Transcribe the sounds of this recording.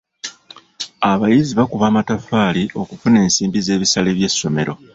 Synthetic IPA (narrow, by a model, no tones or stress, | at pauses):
aβajiziβakuβaːmatafaːliʔo̞kufune̞ːnsiːmbize̞ːβisale̞βje̞sːo̞me̞ɾo̞̰